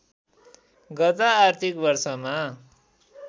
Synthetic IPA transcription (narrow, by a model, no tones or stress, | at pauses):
ɡʌt̪aːrt̪ʰikbʌrsʌma